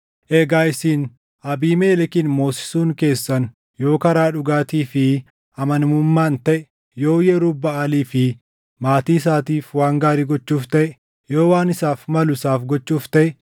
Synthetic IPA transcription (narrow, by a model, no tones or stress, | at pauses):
ʔeːɡaːɪsiːn | ʔɐbiːmeːlɛkɪnmo̞ːsɪ̥suːŋke̞ːsːɐn | jo̞ːkɐɾaːᶑʊɡaːt̪iːfɪ | ʔɐmɐnmʊmːaːnt̪ɐʔɛ | jo̞ːjɛɾubːɐaːliːfɪ | maːt̪iːɪs̬aːt̪iːfwaːŋɡaːɾiːɡɔt͡ʃːuːft̪ɐʔɛ | jo̞ːwaːnɪsaːfmɐlʊsaːfɡɔt͡ʃːuːft̪ɐʔɛ